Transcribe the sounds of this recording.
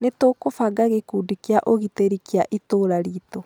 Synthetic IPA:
netoːkofaɡaɣekuːdikeaʔoɣiteɾikiaʔitoːɾaɾiːto

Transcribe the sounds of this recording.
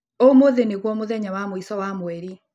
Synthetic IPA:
omoðeneɣwɔmoðɛɲawamoisɔwamwɛɾi

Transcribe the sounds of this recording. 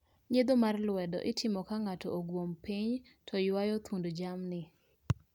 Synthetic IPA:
ɲed̪omarlwɛdɔ̰ʔɪtʰɪmɔkaŋatɔʔoɡwompiɲtʰɔjwajɔt̪undd͡ʒamnɪ

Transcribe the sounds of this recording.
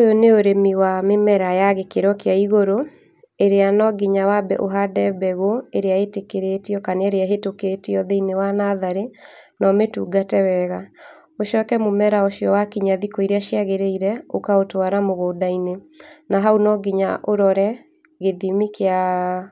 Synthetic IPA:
ojoneoɾemiwamemɛɾajaɣekeɾɔkeaiɣoɾo | eɾeanɔɡiɲawabɛ̰ʔoɦadɛbɛɣoeɾeaetekeɾetiɔkaneeɾeaɦetoketiɔðeinewanaðaɾenɔmetuːɡatɛwɛɣa | oʃɔːkɛmomɛɾaoʃiɔwakiɲaðikɔiɾeaʃjaɣeɾeiɾɛokaotwaɾamoɣoːdaine | naɦaunɔɡiɲaʔoɾɔɾɛ | ɣeðimikea

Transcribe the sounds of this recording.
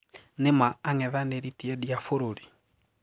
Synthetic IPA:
nɪmaːŋɛðanɛɾitiɛdiafoɾoɾi

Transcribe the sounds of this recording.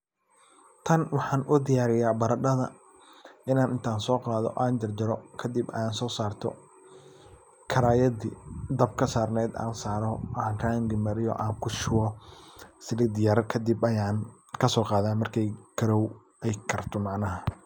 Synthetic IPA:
t̪ʰɐnwɑħɑːnʔʊd̪ɪjaːɾɪjaːbɐɾɐɖɐðɐ | ʔɪnaːnɪnt̪ʰaːnsɔːqɑːðɔ̰ʔaːnd͡ʒɐrd͡ʒɐɾɔkʰɐd̪ɪbɐ̰jaːnsɔːsaːrt̪ʰɔ̰ | kʰɐɾaːjɐdḭd̪ɐb̚kʰɐsaːrnɛːd̪a̰ːnsaːɾɔʔaːnraːŋɡɪmɐɾɪjɔ̰ʔaːŋkʰʊʃʊwɔ | sɪlɪːd̪ɪjaɾkʰɐd̪ɪbɐjaːn | kʰɐsɔːqɑːðaːnmɐrkʰɛjkʰɐɾɔw | ɛjkʰɐrt̪ʰɔmɑʕnɐɦɐ

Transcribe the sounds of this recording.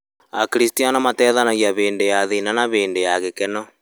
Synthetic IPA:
akiɾistianamatɛːðanaɣiaβeːndejaðinanaβeːndejaɣekenɔ

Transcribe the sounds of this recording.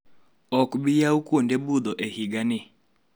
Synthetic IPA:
ɔkbɪjaukwondebud̪ɔʔehiɡanɪ

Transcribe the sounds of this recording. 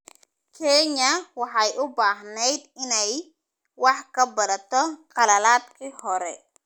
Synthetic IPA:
kʰɛɲɐwɑħɑjʔʊbaːɦnɛjd̪ɪnɛj | wɑħkʰɐbɐðɐt̪ʰɔqɑlɐlaːd̪kʰiːhɔɾɛ

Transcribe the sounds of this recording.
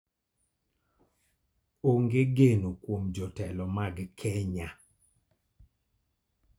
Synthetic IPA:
oŋɡeɡenokwomd͡ʒɔtɛlɔmaɡkʰɛɲa

